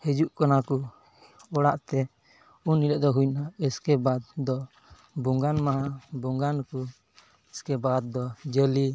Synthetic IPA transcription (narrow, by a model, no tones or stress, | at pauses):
hɛd͡ʒuʔkanaku | ɔɽaʔt̪ɛ | unːiləʔd̪ɔɦujnaɛskɛbad̪̚d̪ɔ | bɔŋɡanmaɦabɔŋɡanku | ɛskɛbad̪̚ːɔd͡ʒəli